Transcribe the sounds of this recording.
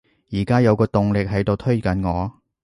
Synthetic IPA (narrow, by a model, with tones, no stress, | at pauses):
jiː˨˩kaː˥jɐ˨˧wkɔː˧t̪ʊ˨ŋlɪ˨k̚ɦɐ˨˥jt̪o˨wt̪ʰɵ˥ɥkɐ˨˥nŋɔː˨˧